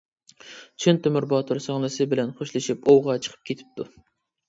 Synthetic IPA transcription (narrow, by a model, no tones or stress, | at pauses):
t͡ʃʰynt̪ʰømyɾbɑt̪ʰoɾsɑŋlˠɨsɨbɪlɛnχoʃlˠɨʃipowʁɑt͡ʃʰə̥qʰə̥p̚kʲʰet̪ʰɪ̥p̚t̪ʰu